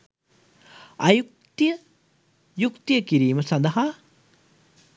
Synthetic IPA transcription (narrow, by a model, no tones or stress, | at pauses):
ajuk̚t̪ijə | jukt̪ijəkiɾiːməsɐnd̪ɐɦa